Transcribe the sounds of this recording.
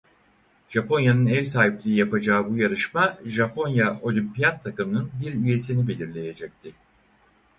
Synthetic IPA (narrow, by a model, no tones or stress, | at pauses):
ʒ̥apʰo̞njanɯnɛvsaːɦiplʲiɾijapad͡ʒaːbujaɾɯʃmaʒapʰo̞njaʔo̞lʲimpijat̪ʰːakɯmɯnɯnbiɾyje̞sinibe̞lʲiɾlʲe̞je̞d͡ʒɛc̚t̪ʰɪ